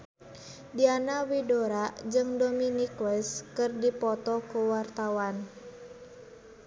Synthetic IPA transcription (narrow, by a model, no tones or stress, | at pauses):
dianawidoɾad͡ʒɨŋdɔminikwɛskɨrdipɔt̪ɔkuwart̪awan